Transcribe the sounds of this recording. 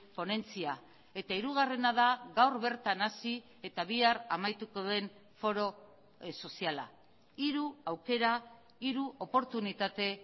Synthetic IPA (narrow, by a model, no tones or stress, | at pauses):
po̞ne̞nt͡sia | e̞t̪aiɾuɣ̞are̞nað̞aɣawɾβe̞ɾt̪anasi | e̞t̪aβ̞iaramajt̪uko̞ðe̞n | fo̞ɾo̞ | so̞siala̰ | iɾuawke̞ɾa | iɾuo̞po̞ɾt̪unit̪at̪e̞